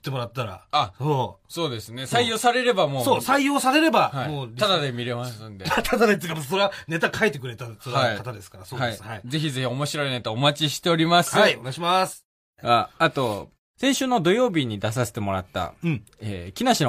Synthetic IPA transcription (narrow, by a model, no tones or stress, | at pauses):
t̪ːemo̞ɾat̪ːaɾa̰aoso̞ːd̪e̞sɨne̞saijo̞ːsaɾe̞ɾe̞bamoːoːsaijo̞ːsaɾe̞ɾe̞bahaoad̪ad̪e̞mʲiɾe̞masɨ̃nd̪e̞t̪ʰad̪ad̪eɨɡamsoɾane̞t̪akʰaet̪ːe̞k̬ɯ̟ɾe̞t̪asoaiat̪ad̪esɨ̥kaɾasohaize̞çize̞çio̞mo̞ɕiɾo̞inet̪oːmat͡ɕiɕi̥t̪e̞o̞ɾʲimasɨmas | ɡaːt̪o̞ | sẽ̞ɰ̃ɕɨːnod̪o̞jo̞ːbʲiɲ̟id̪as̬ase̥t̪e̞mo̞ɾa̰t̪ːã̰ | eːkʲinaɕino